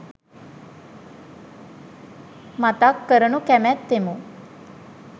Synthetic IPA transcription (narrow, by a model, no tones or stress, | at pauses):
mat̪akːəɾənukæmæt̪ːemu